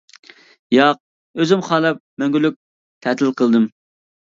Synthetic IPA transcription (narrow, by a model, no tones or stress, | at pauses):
jɑq̚ | øzɪmχɑːlˠɛp̚mɛŋɡʲylyk̚ʲ | t̪ʰɛt̪ʰɪlˠqəlˠd̪ɨm